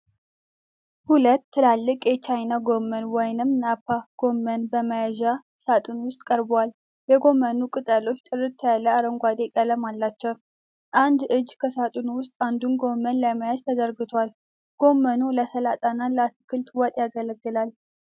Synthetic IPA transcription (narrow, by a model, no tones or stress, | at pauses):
hulət̪ːɨlalːɨkʼjɛt͡ʃajnaɡo̞mːənwɔjnɨmnapʰːaɡ̥o̞mːənbəməjaʒa | sat̪ʼunwʊst̪ʼkʼəɾbwal | jɛɡo̞mːənukʼɨt̪ʼəlo̞t͡ʃːt̪ʼɨrɨt̪ʰːəjalːəaɾəŋɡʷad̪ekʼələmalːat͡ʃːɛw | ʔand̪ʔɨd͡ʒkʰəsat̪ʼunwʊst̪ʼand̪unɡo̞mːənləməjaʒt̪ʰəd̪əɾɡɨt̪ʰwal | ɡ̥o̞mːənuləsəlat̪ʼanaləat̪ɨkʰɨlt̪wɔt̪ʼjaɡələɡːɨlal